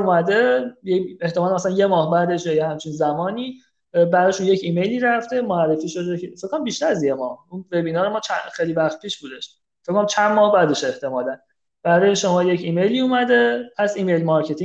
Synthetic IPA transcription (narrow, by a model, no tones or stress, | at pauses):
umæd̪e̞jeeht̪emɒːlmæsælænje̞mɒːhbæːd̪e̞ʃjɒjehæmt͡ʃʰinzæmɒːniː | bæɾɒːʃunje̞cʰiːme̞jliːɾæft̪e̞moærːe̞fiːʃo̞d̪eefekːonæmbiʃt̪æɾæzjemɒːhunve̞biːnɒːɾemɒːt͡ʃʰæxejlivæxt̪̚pʰiːʃbuːd̪e̞ʃ | fekoæmt͡ʃʰænmɒːhbæːd̪e̞ʃe̞ht̪ʰe̞mɒːlæn | b̥æɾɒːjeʃo̞mɒːje̞cʰimejliːuːmæd̪e̞æzimejlmɒɾcʰe̞t̪ʰĩ